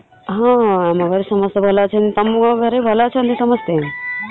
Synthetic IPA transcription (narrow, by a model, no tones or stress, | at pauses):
ɦãɛmãɡʱəɾesəməst̪ebʱəlat͡ʃʰent̪əmɡʱəɾebʱəlat͡ʃʰend̪isəməst̪e